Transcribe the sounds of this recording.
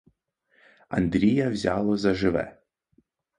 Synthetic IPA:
ɐ̰nd̪ɾʲijɐwzʲalˠɔzɐʒɪʋɛ̰

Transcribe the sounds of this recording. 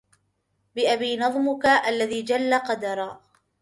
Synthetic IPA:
bɪʔabiːnɑðˤmʊkaʔalːaðiːd͡ʒalːaqɑd̪ɑɾˤaː

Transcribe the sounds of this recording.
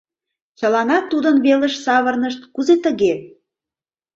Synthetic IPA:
t͡ɕəlɑnɑt̪ːud̪ənβeləʃsɑβə̆rnəʃt̪kuzet̪əɣe

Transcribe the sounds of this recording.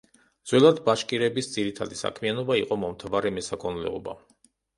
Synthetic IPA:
d̪z̥wɛlˠad̪baʃkʼiɾɛbisd̪ziɾit̪ʰad̪isa̰kʰmianɔbaiqʼɔmɔmt̪ʰavaɾɛmɛsakʰɔnlɛ̰ɔba̰

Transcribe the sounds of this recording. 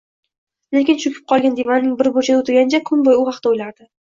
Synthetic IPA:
le̞kʲɪnt͡ʃʊkʲʰɪ̥p̚qʰɒlˠɡʲand̪evanːɪŋbɪɾbojt͡ʃʰad̪ʊt̪ʰɪɡʲanɪt͡ʃʰakʰʊnbojʊhɑqt̪aojlaɾd̪̥ɪ

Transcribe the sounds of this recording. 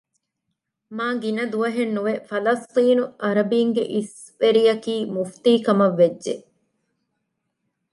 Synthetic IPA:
maːɡinɐd̪uʋɐɦenːuʋefɐlɐst̪iːnuʔɐɾɐbiːŋɡḛʔis | ʋeɾijɐkiːmuft̪iːkɐmɐʋːed͡ʒːe

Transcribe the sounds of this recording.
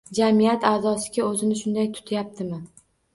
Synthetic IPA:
d͡ʒamijat̪aːzɒsɪ̥ɡʲaɵzɪnɪʃʊnd̪ajt̪ʰʊ̥t̪ʰajap̚t̪ʰɪmɪ

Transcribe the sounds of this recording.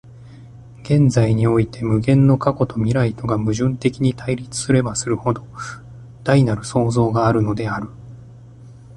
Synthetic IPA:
ɡ̥ẽ̞nd͡zaiɲ̟io̞it̪ʰe̞mɯ̟ɡẽ̞nːo̞kako̞t̪o̞mʲiɾait̪o̞ɡamɯ̟ʑɨ̃nt̪e̞kʲiɲ̟it̪aiɾʲit͡sɨ̥sɨɾe̞basɨɾɯ̟ho̞d̪o̞ | d̪̥ainaɾɯ̟so̞ːzo̞ːɡaːɾɯ̟no̞d̪e̞aɾɯ̟

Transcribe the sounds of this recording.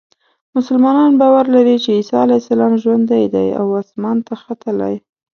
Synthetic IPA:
mʊsəlmɑnɑnbɑwaɾlaɾit͡ʃeisɑalajsalɑmʒwand̪ajd̪a̰ja̰wɑsmɑnt̪axat̪əla̰j

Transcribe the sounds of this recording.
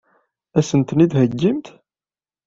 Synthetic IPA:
æsənt̪nid̪həɡːimt̪

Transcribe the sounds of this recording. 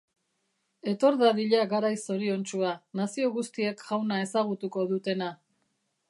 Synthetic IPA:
e̞t̪o̞ɾðaðiʎaɣaɾajso̞ɾio̞nt͡ʃuanasio̞ɣust̪ie̞kʝawnae̞saɣ̞ut̪uko̞ðut̪e̞na

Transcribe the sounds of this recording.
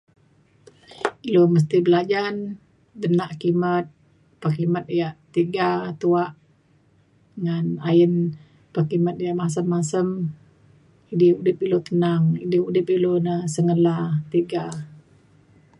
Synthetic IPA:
iloməs̬t̪ibəlad͡ʒan | dənaʔkimət̪̚ | pakimət̪̚ijaʔt̪iɡat̪uaʔ | ŋanaən | pəkimət̪̚ijaʔmas̬əmːasəm | idɪudɪp̚ilot̪ənaŋidɪudɪpilonəsəŋəlat̪iɡa

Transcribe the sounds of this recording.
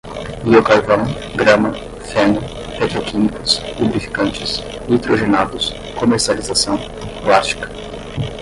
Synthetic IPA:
biokaɾvɐ̃w̃ | ɡɾɐ̃mɐ | fɛ̃nʊ | pet̪ɾokimikʊspubɾifi̥kɐ̃nt͡ʃɪs | lit̪ɾoʒenad̪ʊs | komeɾsializasɐ̃w̃ | plast͡ʃi̥kɐ̥

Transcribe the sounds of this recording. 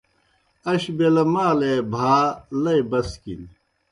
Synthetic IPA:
ɐɕbelɐmaːlebʱaːlɐjbɐskḭn

